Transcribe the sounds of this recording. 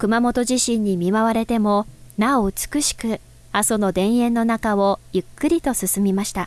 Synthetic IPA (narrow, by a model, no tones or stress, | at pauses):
kɯ̟mamo̞t̪o̞ʑiɕĩɲ̟ːimʲimaβaɾe̞t̪e̞mo̞naoɯ̟t͡sɨ̥kɯ̟ɕi̥kɯ̟ | aso̞no̞d̪ẽ̞ɰ̃ẽ̞nːo̞nakaβo̞jɯ̟kːɯ̟ɾʲit̪o̞sɨsɨmʲimaɕi̥t̪a